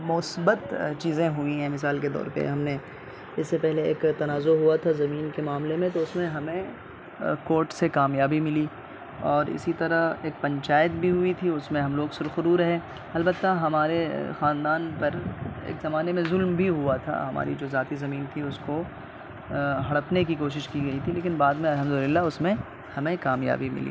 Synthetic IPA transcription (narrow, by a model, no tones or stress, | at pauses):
mʊsbət̪t͡ʃiːzẽɦʊĩɦɛ̃mɪs̬aːlked̪ɔ̰ːɾpḛɦɐmne | ɪsːepɛɦleḛːkt̪ɐnaːzoɦuat̪ʰazɐmiːnkemaːmlemẽt̪oʊsmẽɦɐmẽ | koːɾʈsekaːmjaːbimɪli | ɔːɾɪ̰sit̪ɐɾaeːk̚pɐ̃ɲt͡ʃaːjət̪̚bʱiɦʊit̪ʰiʊsmẽɦɐmloːɡsʊɾxʊɾuːɾɐɦẽː | ɐlbət̪ːaɦɐmaːɾexãːnd̪aːnpɐɾḛːkzɐmaːnemẽzʊlmbʱiɦuat̪ʰa̰ɦɐma̰ːɾḭd͡ʒoːzaːt̪izɐmiːnt̪ʰiʊsko | ɦɐɽəpnekikoːʃɪʃkiɡɐit̪ʰileːk̬ɪnbaːd̪mẽɐlɦəmd̪ʊlɪlːaʊsmẽ | hɐmẽkaːmja̰ːbimɪ̰lḭː